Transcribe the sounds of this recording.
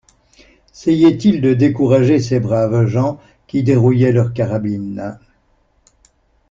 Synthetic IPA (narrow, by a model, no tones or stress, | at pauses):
sɛjɛt̪ild̪əd̪ekuʁaʒesebʁavʒɑ̃ | kʲid̪eʁujɛlœʁkaʁabin